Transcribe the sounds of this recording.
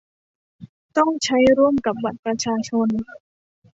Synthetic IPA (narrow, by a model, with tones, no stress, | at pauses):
t̪ɔ˥˩ŋt͡ɕʰa˦˥jɾu˥˩əmka˨˩p̚ba˨˩t̪̚pɾa˧t͡ɕʰaː˧t͡ɕʰo˧n